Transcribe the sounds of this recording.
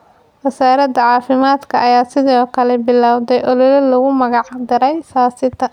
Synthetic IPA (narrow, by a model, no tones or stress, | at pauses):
wɐsaːɾɐd̪ɐʕɑːfɪmaːd̪kʰɐʔɐjaːsɪðɔːkʰɐlɛbɪlaːwd̪ɛjʔɔlɔlɔlɔɣʊmɐɣɑʕd̪ɪɾɛjsaːsɪt̪ʰːɐ